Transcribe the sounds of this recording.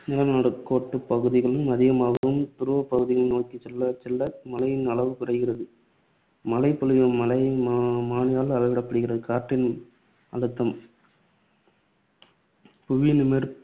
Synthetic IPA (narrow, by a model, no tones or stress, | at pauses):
nɪlɐnaːɽɯkːoːʈːɯpɐɣɯðɪɣɐɭɯmɐðɪɣɐmaːɣɐʋɯmt̪ʊɾɯʋɐpːɐɣɯðɪɣɐnoːkːit͡ʃɛlːɐt͡ʃɛlːɐmɐlɐjɪnɐɭɐʋɯkʊrɐɪɣɪrɐðɯ | mɐlɐɪpːɔlɯjɐmɐlɐɪmaːɳɪjaːlɐʋɐʋɪɽɐpːɐɽɯɣɪrɐðɯkaːɾʈːɪn | ɐ̰ɭɯt̪ːɐm | pʊʋiːnɯmɛɾ